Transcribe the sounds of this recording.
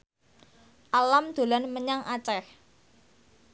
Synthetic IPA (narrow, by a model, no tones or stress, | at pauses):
ʔalamd̪̥o̤lanməɲaŋʔat͡ʃɛh